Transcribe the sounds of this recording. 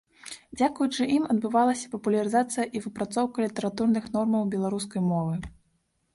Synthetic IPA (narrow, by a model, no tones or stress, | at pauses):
d͡zʲakujut͡ʂɨʔimɐd̪̚bɨvalˠɐsʲɐ̥pɐpulʲɐɾɨzat̪sɨjɐʔivɨpɾat̪sɔwkɐlʲit̪ɛɾat̪urnɨxn̪ɔrmɐwbʲɛlˠaɾus̬kɐjmɔvɨ